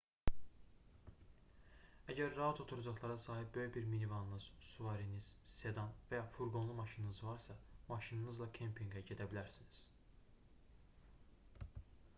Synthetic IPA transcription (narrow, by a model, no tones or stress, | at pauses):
æɟæɾːɑɑt̪ʰo̞t̪ʰuɾɑd͡ʒɑχlˠɑɾɑsɑːɦib̚bø̞jyçbiɾminivɑnɯnɯz̥suvɑɾiniz̥se̞d̪ɑnvæjɑfuɾɡo̞nlˠumɑʃinɯnɯzvɑɾsɑmɑʃinɯnɯzlˠɑkʲʰempʰiŋɡæɟe̞d̪æbilæɾsiniz̥